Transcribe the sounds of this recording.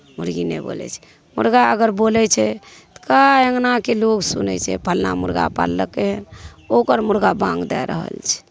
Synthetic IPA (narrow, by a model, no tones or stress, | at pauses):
muɾɡinɛ̰bo̰lɛ̰t͡ʃʰɛ̥ | mṵɾɡaəɡəɾbolɛt͡ʃʰɛt̪ɔ̥kaəŋnakeloksunɛ̰t͡ʃʰɛ̰pʰəlna̰muɾɡa̰pa̰lːəkeɦən | okəɾmuɾɡabãŋɡd̪ɛɾə̰ɦə̰lt͡ʃʰɛ̥